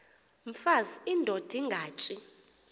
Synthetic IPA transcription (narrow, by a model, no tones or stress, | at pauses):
m̩fazindʱod̥ʱiŋɡʱaːt͡ʃʼi